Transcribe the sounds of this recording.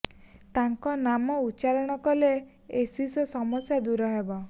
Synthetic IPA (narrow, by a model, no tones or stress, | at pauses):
t̪aŋkɔnamɔut͡ʃaɾɔɽ̃ɔkɔle | esisɔsɔmɔsjad̪uɾɔɦebɔ